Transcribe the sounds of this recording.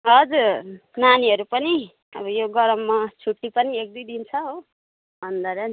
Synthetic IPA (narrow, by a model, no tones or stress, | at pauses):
ɦʌd͡zuɾnaniɦʌɾupʌni | ʌ̰bʌjoɡʌɾʌmːat͡sʰuʈːipʌniek̚d̪ujd̪int͡sʰʌɦo | bʱʌnd̪aɾʌn